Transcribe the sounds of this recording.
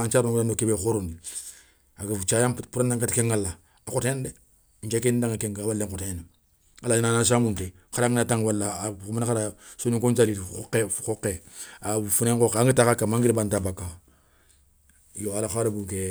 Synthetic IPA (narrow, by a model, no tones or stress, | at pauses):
ant͡ʃaːɾnɾanokebekoɾondi | akat͡ʃajapuɾanːaŋkatikeŋːalːa | akoteende | ɲt͡ʃekendaŋakeŋkawalːeŋkoten | alaɲinanas̬amunte | kaɾaŋnataŋwalːaumanakaɾasoɲuŋkoɲt͡ʃaliokekokːeafuneŋkokːaŋɡitakakːamaŋɡiɾibantabakːa | joalaxaɾabuŋke